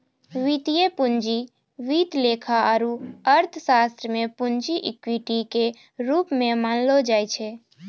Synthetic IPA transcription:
ʋit̪ijepund͡ʒi | ʋit̪lekʰaaɾuəɾt̪ʰsast̪ɾəmẽpund͡ʒiʔɪkwiʈike | ɾuːpmẽmaːnlod͡ʒaːjt͡ʃʰɛ

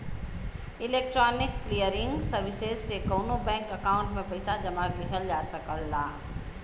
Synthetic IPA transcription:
ɪleːk̚ʈɾɔːnɪkːlijəɾɪ̃ŋɡsəɾʋɪsezsekoʊnõbɛ̃ːŋkɐkaːʊ̃ɳʈmẽpɐɪsad͡ʒɐmakeɦəld͡ʒaːsəkəlːaː

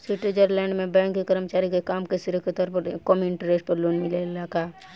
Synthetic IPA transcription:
siʈəd͡ʒəɾlɛ̃ːɳɖmẽbɛ̃ːŋkːikəɾəmt͡ʃaːɾikekaːmkesɪɾəkʰət̪əɾpəɾkɔmɪnʈɾeːʈpəɾloːnmɪlelaka

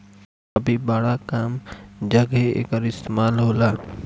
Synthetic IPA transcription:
ɐbʱibaːɽakaːmd͡ʒɐɡɦeḛːkəɾɪst̪emaːlɦoːlaː

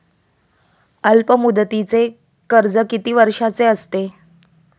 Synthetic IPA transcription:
əlpəmud̪t̪it͡se | kəɾd͡zəkit̪iːʋəɾʂat͡seəst̪e

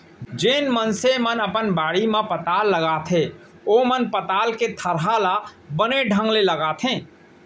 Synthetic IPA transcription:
d͡ʒenmənsemənəpənbaɽimẽpət̪alːəɡat̪ʰɦẽ | omənpət̪alket̪ʰəɾɦalabəneɖʱə̃ŋɡleləɡaːt̪ʰẽ

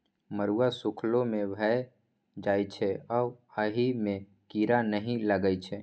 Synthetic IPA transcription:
məɾuasukʰlõmẽbʱəj | d͡ʒaːjt͡ʃʰɛɔːəɦimẽ | kiɾanəɦĩləɡəjt͡ʃʰɛ

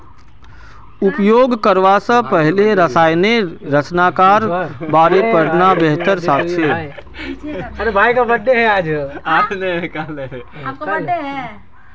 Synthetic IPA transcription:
ʊpjoːɡkəɾʋasə̃pəɦleɾəsaːjneɾət͡ʃnaːkaːɾbaːɾepəɾnabeɦt̪əɾsaːt̪ʰʃe | ɐɾebʱaːikabəɖːeɦɛaːd͡ʒaneɦkaleːkːeɦ

